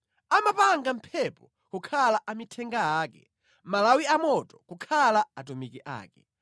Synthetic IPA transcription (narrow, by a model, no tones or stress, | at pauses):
amapaŋɡam̩pʰɛpɔ | kukʰalaʔamitʰɛŋɡaaːkɛ | malawiamɔtɔkukʰalaat̬umikiʔa̰ːkɛ